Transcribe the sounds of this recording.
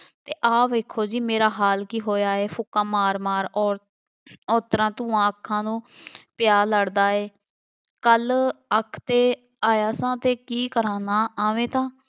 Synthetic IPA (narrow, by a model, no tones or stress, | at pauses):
t̪eːʔaːʋeːkʰːoːd͡ʒiːmeːɾaːɦaːlkiːɦoːjaːeːpʰʊkãːmaːɾmaːɾɔːɾ | ɔːt̪əɾãːt̪ũːãːəkʰːãːnũːpɪjaːləɽd̪aːeː | kələkʰt̪eː | aːjaːsãːt̪eːkiːkəɾãːnaːaːʋẽːt̪ãː